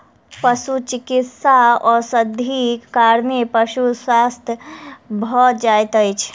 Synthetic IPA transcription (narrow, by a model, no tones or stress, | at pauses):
pəʃut͡ʃikit̪saɔɾsəd̪ʱikaɾmepəʃuswast̪ʰbʱɔd͡ʒajt̪əjt͡ʃʰ